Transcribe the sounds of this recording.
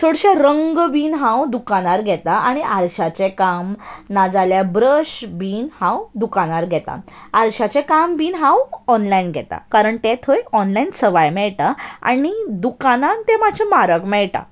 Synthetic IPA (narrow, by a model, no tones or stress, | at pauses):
soɽɕaɾəŋɡbiːnɦãwd̪ukaɽ̃aɾɡʱɛt̪aʔaɽ̃iʔaɾɕat͡ɕekamnad͡zaljabɾəɕbiːnhãwd̪ukaɽ̃aɾɡʱɛt̪a̰aɾɕat͡ɕẽkambiːnɦãwɔnlainɡʱɛ̰t̪a̰kaɾəɳt̪et̪ʰəjɔnlainsəʋajmɛɭʈaa̰ɽ̃id̪ukanãnt̪emad͡ʑʱemaɾəkmɛɭʈa̰